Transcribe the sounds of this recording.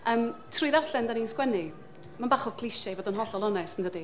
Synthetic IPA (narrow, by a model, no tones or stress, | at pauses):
əːmtʰrʊːðarɬɛndaninskwɛnɪ | manbaχɔkʰlˠɪʃavoːdənɦɔɬɔlˠɔnɛsənðədi